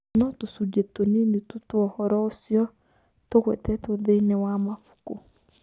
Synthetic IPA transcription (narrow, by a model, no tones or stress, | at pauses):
nɔtusudetoninitutwɔhɔɾɔosjɔ | tokwɛtɛtoðenewamafu̥ko